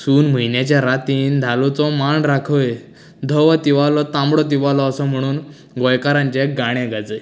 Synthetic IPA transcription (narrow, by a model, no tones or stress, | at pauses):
suːnm̤əinjat͡ɕaɾat̪iːnd̪ʱalut͡sɔmaɳɾakʰəj | d̪ʱəʋat̪iʋalɔt̪ãmbɽɔt̪̬iʋalɔəsɔm̤əɽ̃uːn | ɡɔjkaɾãɲt͡ɕɛɡaɽ̃ɛ̃ɡad͡zəj